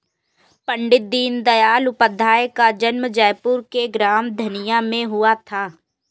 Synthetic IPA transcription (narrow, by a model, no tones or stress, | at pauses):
pəɳɖɪt̪̚d̪iːnd̪əjaːlʊpəd̪ʱːaːekad͡ʒənməd͡ʒɛːjpʊɾkeɡɾaːmd̪ʱənɪjãːmẽɦʊaːt̪ʰaː